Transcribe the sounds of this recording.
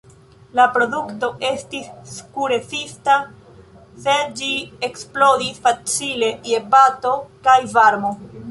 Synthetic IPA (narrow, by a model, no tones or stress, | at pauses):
lapɾo̞dukto̞ʔe̞stisːkuɾe̞fista | se̞d͡ʒieksplo̞disfat͡sile̞ie̞pato̞kajvaɾmo̞